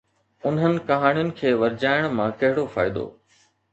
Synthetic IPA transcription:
ʊnɦənɪ̆kɐɦaːɽ̃ijʊnɪ̆kʰeːʋɐɾd͡ʑaːɪɽ̃mãkɐɦɪɽofa̰ːɪd̪o̰ː

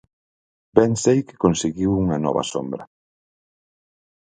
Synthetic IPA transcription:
bɛŋsejkɪ̥konseɣiwuŋɐnɔ̰βɐ̰so̰mbɾɐ

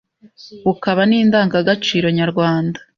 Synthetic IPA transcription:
ukaβaniːndaːŋɡaɡat͡ʃiːɾo̞ɲaɾɡwaːndḁ

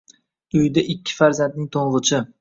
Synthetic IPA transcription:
ʊjd̪aʔɪkʲʰːɪ̥faɾzant̪̚nɪŋt̪ʰoɴʁɨt͡ʃʰɪ

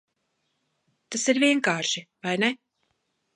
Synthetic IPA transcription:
t̪asiɾviɛŋkaːʃivajne

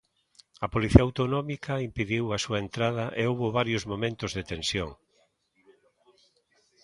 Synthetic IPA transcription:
ɐpoliθiɐawt̪onɔmikɐimpiðiwɐsuɐent̪ɾaðɐʔeowβoβaɾjozmomẽnt̪ʊzðet̪ensjoŋ

